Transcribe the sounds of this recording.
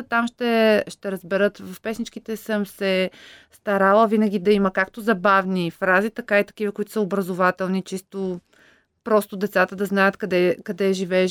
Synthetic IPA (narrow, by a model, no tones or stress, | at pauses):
t̪amʃt̪ɛʃt̪ɛɾəzbɛɾɤt̪vəfpɛsnit͡ʃkit̪ɛsəmsɛst̪ɐɾalˠəvinɐɡ̟ʲid̪ɐiməkakt̪ʊzɐbavnifɾazit̪ɐkait̪ɐ̥k̟ivəkʊit̪ʊ̥səʊbɾɐzʊvat̪ɛlˠnit͡ʃist̪ʊ | pɾɔst̪ʊd̪ɛt̪sat̪əd̪ɐznajət̪kɐd̪ɛkɐd̪ɛʒivɛː